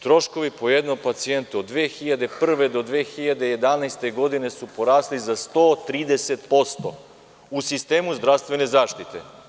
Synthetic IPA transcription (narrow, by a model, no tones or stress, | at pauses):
t̪ɾo̞ʃko̞ʋipo̞jed̪nopat̪sie̞nt̪uod̪ːʋeːxiʎad̪e̞pr̩ʋe̞d̪o̞d̪ʋeːxiʎad̪e̞jed̪anajst̪e̞ɡo̞d̪ine̞supo̞ɾaːslizast̪oːt̪ɾiːd̪e̞se̞t̪po̞st̪o̞ | usist̪e̞ːmuzd̪ɾaʋst̪vʋene̞zaːʃt̪it̪ḛ